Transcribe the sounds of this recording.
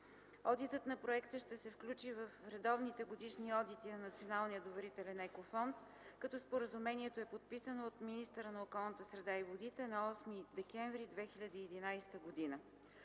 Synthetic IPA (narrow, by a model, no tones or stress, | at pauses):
ɔd̪it̪ət̪nɐpɾoɛkt̪əʃt̪ɛsɛfklʲut͡ʃivəfɾɛd̪ɔvnit̪ɛɡod̪iʃniɔd̪it̪inɐnɐt̪sionalˠnijəd̪ovɛɾit̪ɛlʲɛnɛkofɔnt̪ | kɐt̪ɔspoɾəzumɛniɛt̪oɛpot̪̚pisənoːt̪minist̪əɾənɐokɔlˠnət̪əsɾɛd̪aivod̪it̪ɛnɐɔsmid̪ɛkɛɱvɾid̪vɛxilʲɐd̪iːɛd̪inajst̪əɡod̪inə